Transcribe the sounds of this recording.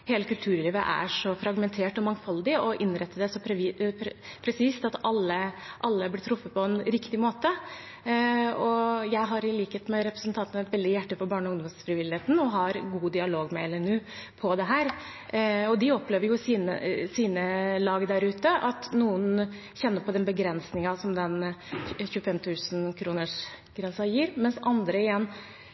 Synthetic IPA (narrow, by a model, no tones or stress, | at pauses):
heːləkʉlt̪ʰʉːɾliːʋəʔæ̰ʂɔfɾɑɡmɛnt̪ʰeːʈɔmɑŋfɑld̪ɪɔʔɪnːɾɛt̪ːəd̪ɛsɔ | pʰɾɛsiːst̪ɑt̪ɑlːəʔɑlːəblɪt̪ʰɾʊfːət̪̚pʰɔɛnɾɪkt̪ɪmoːt̪ə | ɔjæɪɦɑɾɪliːkəheːt̪mæɪɾɛpɾəsnt̪ʰɑnt̪ənəɛt̪ʋɛld̪ɪjæʈːəfɔbɑːɳɔʊŋd̪ɔmsfɾɪʋɪlɪheːt̪n̩ɔɦɑɾɡuːd̪ɪɑloːɡmɛɛlɛnʉːpʰɔd̪ɛɦæːɾ | ɔd̪ɪɔpleːʋəɾjʊsiːnə̰siːnəlɑːɡd̪æɾʉːt̪əʔɑt̪nuːən | çɛnːəɾpʰɔd̪ɛnbəɡɾɛnsnɪŋɑsɔmd̪ɛnçʉːəfɛmt̪ʰʉːsnkʰɾuːnəʂ | ɡ̥ɾɛnsɑjiːɾmɛnsʔɑnd̪ɾəɪjɛnː